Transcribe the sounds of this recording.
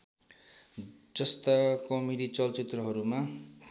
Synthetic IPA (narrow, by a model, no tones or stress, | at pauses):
d͡zʌst̪akʌmiɽit͡sʌlt͡sit̪rʌɦʌɾuma